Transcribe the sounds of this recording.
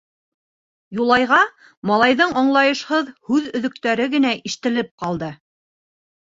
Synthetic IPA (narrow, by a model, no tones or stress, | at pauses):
julˠɑjʁɑ | mɑlˠɑjðɤɴɑɴlˠɑjɤ̆ʃhɤðhʉðɵ̆ðɵ̆k̚t̪æɾɘɡɘ̆næʔiʃt̪ɘ̆lɘp̚qɑlˠd̪ɤ